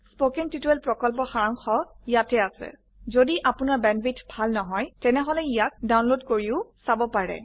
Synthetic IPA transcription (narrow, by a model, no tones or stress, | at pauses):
spokiŋtituɛlpɹɔkɔlp̬ɔxaɹaŋxɔ | ijatɛasɛ̰ | zodiʔapʊnaɹbɛnbitʰbʱalnɔɦɔjtɛnɛɦɔlɛijak̚dawnlodkoɹiʊsabɔpaɹɛ̰